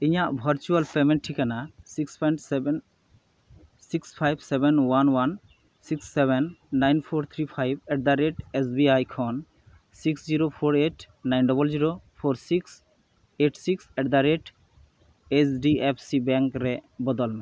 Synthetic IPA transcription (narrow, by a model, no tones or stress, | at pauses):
iɲaʔbʱəɾt͡ʃualpemeɳʈ̚ʈʰikanasikspʰɔjɳʈsn | sikspʰajbsebenwanwan | siksːɛβenːajnpʰoɾt̪ʰɾipʰajbeʈ̚d̪aɾeʈesbiajkʰɔn | siksziɾopʰoɾeʈ | najnɖɔbɔlziɾopʰoɾsiks | eʈsiksɛʈd̪aɾeʈ | esɖiepʰsibɛŋkɾɛbɔd̪ɔlmɛ